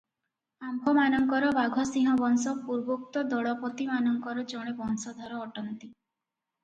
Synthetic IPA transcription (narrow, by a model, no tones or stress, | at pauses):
ambʱɔmanɔŋkɔɾɔbaɡʱɔsĩɦɔbɔnsɔpuɾbok̚t̪ɔd̪ɔɭɔpɔt̪imanɔŋkɔɾɔd͡ʒɔɽ̃ebɔnsɔd̪ʱɔɾɔːʈɔnt̪i